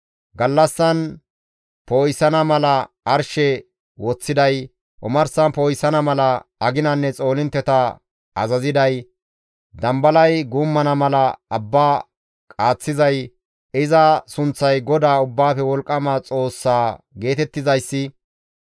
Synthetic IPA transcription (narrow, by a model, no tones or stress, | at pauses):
ɡɐlːɐsːɐn | poːjsɐnɐmɐlɐ | ɐɾʃɛ | wɔt͡sːɪd̪ɐj | ʔɔmɐɾsɐnpoːjsːɐnɐmɐlɐɐɡɪnɐnːɛt͡sʼo̞ːlɪnt̪ːɛt̪ɐ | ɐzɐzɪd̪ɐj | d̪ɐmbɐlɐjɡʊmːɐnɐmɐlɐɐbːaː | kʼaːt͡sːɪzɐj | ɪzɐsʊnt͡sːɐjɡɔd̪aːʊbːaːfɛwɔlkʼːɐmɐt͡sʼo̞ːsːaːɡe̞ːt̪ɛt̪ːɪzɐjsːɪ